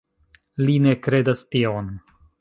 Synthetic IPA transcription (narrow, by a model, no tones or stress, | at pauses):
line̞kɾe̞dastion